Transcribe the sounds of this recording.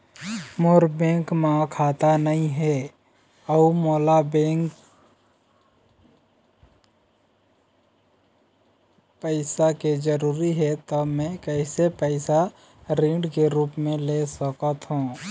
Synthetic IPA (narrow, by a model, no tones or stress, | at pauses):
moːɾbẽːŋkmãːkʰaːt̪anɐɦĩɦɛ | ɔumoːlabẽːŋk | pəɪsaked͡ʒəɾuːɾiɦɛt̪ɔmɛ̃kɛɪsepɛɪsa | ɾĩːɳɖkeɾuːpmẽlesəkət̪ɦũː